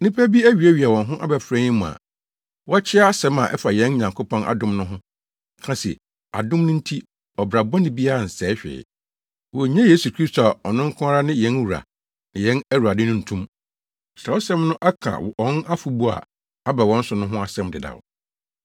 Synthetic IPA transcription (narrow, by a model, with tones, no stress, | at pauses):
nĩ˦pʰæ˦bi˦æ˦ɥi˨æ˦ɥi˨a˨wɔ̃˨nɦʊ̃˦ʔa̰˦bɛ˨fɾɛ̃˦ɲĩ˦mʊ̃˨a̰˨ | wɔ˦a˦t͡ɕʰɪ˦a˦a˦sɛ̃˦ma˨ʔɛ̰˦fa˨jɛ̃˦n˦ɲã˨ŋkʰo˦pʰɔ̃˦nʔa̰˨dʊ̃˦mnʊ̃˦ɦʊ̃˦ | kʰã˨˦sɛ̰˨ | a̰˨dʊ̃˦mnʊ̃˦n̩˦tʰi˦ | ɔ˨bɾa˨bɔ̃˦nɪ̃˦bi˦a˦a˨n̩˨sɛː˨˦ɕᶣɪ̰ː˨ | wɔ˨ɲɛ̃˦je˦su˨kʰɾi˦sto˨a˨ɔ˨nɪ̃˦ŋ̩˦kʰʊ̃˦a˦ɾa˦nɪ̃˦jɛ̃˦n˦wu˨ɾa̰˨ | nɪ̃˨jɛ̃˦næ˦wu˨ɾa˨dɪ˦nʊ̃˦n̩˨tʰũ˦m | sɾa˨ɔ˦sɛ̃˦mnʊ̃˦ʔa˦kʰã̰˨wɔ̃˨˦na˦fu˨bu˦a̰˨ | a˦ba˨wɔ̃˨˦n̩˦sʊ˨nʊ̃˦ɦʊ̃˦a˨sɛ̃˦mdɪ˨da̰˨w